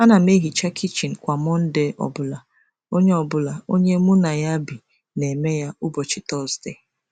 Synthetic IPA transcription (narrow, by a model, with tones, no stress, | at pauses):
a˦na˨m̩˦e˦ɦi˨t͡ʃa˦kʰi˦t͡ʃi˨n̩˨kʷa˨mɔ˦n̩˦de˦ʔɔ̰˨bʊ˦la˨ | o˦ɲe˦ɔ˨bʊ˦la˨o˦ɲe˦mu˦na˨ja˦bi˨ | ne˨me˦ja˦ʊ˦bɔ˨t͡ʃɪ˨tɔ˦lste˦˨